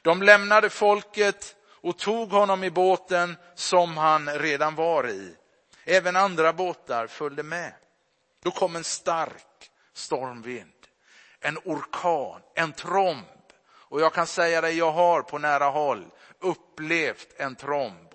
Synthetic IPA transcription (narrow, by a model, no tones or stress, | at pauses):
d̪̥ɔmlɛmnad̪əfɔlkət̪ | ɔt̪ʰuːɡhɔnːɔmɪboːt̪ən | sɔmɦanɾeːd̪anvaɾɪ̰ | ɛːvənand̪ɾaboːt̪aɾfœld̪əmɛ | d̪̥ɔkʰɔmːɛnst̪aɾk | st̪ɔɾmvɪnd̪̥ | ɛnʊɾkʰɑːnɛnt̪ʰɾɔmb̥ | ɔjɑːɡkʰansɛjːad̪ɛjjɑːɡɦaɾpʰɔnæːɾaɦɔlː | ɵpːleft̪ɛnt̪ʰɾɔmb